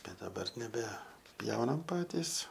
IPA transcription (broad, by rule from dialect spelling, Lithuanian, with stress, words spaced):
ˈbʲɛt dɐˈbɐr nʲɛbʲɛˈpʲjɛʊnɐm ˈpɑːtʲiːs